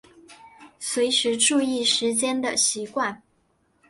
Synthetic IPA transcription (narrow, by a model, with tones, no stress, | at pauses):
swe˧˥ɪʂɻ̩˧˥ʈ͡ʂu˥˧i˥˩ʂɻ̩˧˥t͡ɕjɛ˥nd̪ə˨ɕi˧˥kwa˥˩n